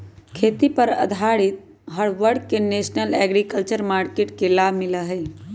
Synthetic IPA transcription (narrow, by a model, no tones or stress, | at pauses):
kʰeːt̪ipəɾə̰d̪ʱaːɽit̪̚ | ɦəɽʋəɽ̚keneːsnəlɛːɡɾikəlt͡ʃəɾmaːɾkeːʈkelaːmɪləɦə